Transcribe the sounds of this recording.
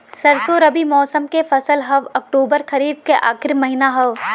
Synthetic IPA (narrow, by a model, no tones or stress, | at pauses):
sɐɾsoɾɐbimɔːsəmkefɐsəlɦɐʋɐk̚ʈoːbəɾxɐɾiːd̪̚keʔa̰ːxɪɾmɐɦɪnaɦɐʋ